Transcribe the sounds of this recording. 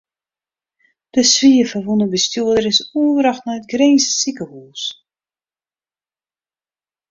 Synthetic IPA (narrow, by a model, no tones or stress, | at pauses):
d̥əsʋiːəfəʋunəbəstuədəɾɪsuəvəɾɑxtnɛjətɡreːnsəsikəhuːs